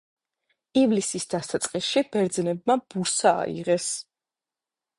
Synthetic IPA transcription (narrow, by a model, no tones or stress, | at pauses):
ivlisisd̪̥asat̪sʼqʼisʃibɛɾd̪znɛbmab̥uɾsa̰ːḭʁɛs